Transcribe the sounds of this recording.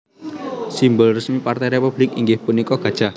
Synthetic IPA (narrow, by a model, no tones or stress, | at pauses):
simbʊlrəsmipart̪ɛjɾepub̥lɪkiŋɡɪhpunikɔɡ̥a̤̥ʒ̥a